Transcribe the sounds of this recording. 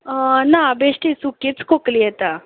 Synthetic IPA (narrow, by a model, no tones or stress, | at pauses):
nabeʂʈisukit͡skokliɛt̪a